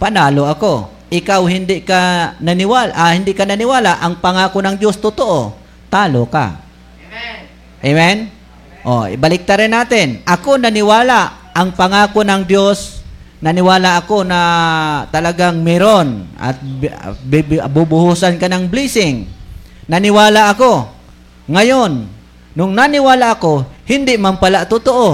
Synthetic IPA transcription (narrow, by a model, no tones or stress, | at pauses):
panaːloʔɐko̞ | ʔɪkawhɪnd̪ɪʔkananɪwalʔahɪnd̪ɪʔkananɪwaːlaʔaŋpaŋaːkonɐŋd̪jost̪ʊt̪oʔo | t̪aːloka̰ | ʔemɛn | ʔo̰balɪk̚t̪aɾɪnːaːt̪ɪnʔɐkonanɪwaːlaʔ | ɐŋpaŋaːkonɐŋd̪jos | nanɪwaːlaʔakonat̪ɐlaɡaŋmɪɾonʔa̰t̪̚bbʊbʊhusankanaŋbliːsɪŋ | nanɪwaːlaʔɐko | ŋajonː | ʊŋnanɪwaːlaʔakohɪnd̪ɪʔmampalaʔt̪ʊt̪oʔo